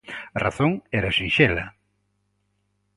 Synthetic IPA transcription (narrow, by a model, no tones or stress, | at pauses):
ɐraθoŋɛɾɐsinʃɛlɐ